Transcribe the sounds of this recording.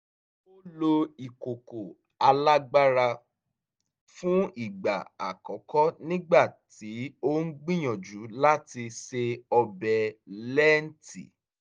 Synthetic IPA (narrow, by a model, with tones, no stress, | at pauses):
o˦lo˧i˨ko˨ko˨ | a˧la˦ɡ͡ba˦ɾa˧ | fũ˦i˦˨ɡ͡ba̰˨a̰˨kɔ˨˦kɔ˦nĩ˦ɡ͡ba˦˨ti˨˦o˦n̩˦ɡ͡bĩ˦j̃ɔ̃˨d͡ʒu˨˦la˦ti˧ʃe˧ɔ˧bɛ˨lɛ˦n̩˦tḭ˨